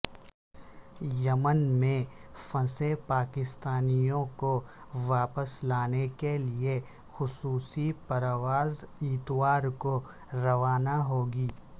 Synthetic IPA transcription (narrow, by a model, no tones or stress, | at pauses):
jɐmənmẽfɐ̃sepaːkɪst̪aːnijõko | ʋaːpəslaːnekelie | xʊsuːsipɐɾʋaːzɪt̪ʋaːɾko | ɾɐʋaːnaɦoːɡiː